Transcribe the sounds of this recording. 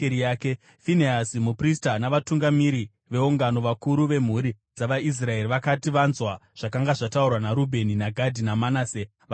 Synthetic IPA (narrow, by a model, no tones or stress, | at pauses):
eɾijaːke | fineasimupristanaʋatuŋɡamiɾi | ʋe̞uŋɡano̞ʋakuɾuʋe̞m̤uɾi | d͡zaʋais̬rae̞ɾiʋakatiʋanzwaʐ̥akaŋɡaʐataurwanaɾubʱe̞ninaɡʱadʱinamanaːse | ʋ